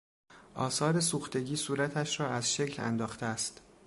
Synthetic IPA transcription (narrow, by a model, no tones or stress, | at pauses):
ʔɒːsɒːɾe̞suːxt̪e̞ɡʲiːsuːɾæt̪ʰæʃɾɒːæzʃecʰlæ̰nd̪ɒːxt̪eæst̪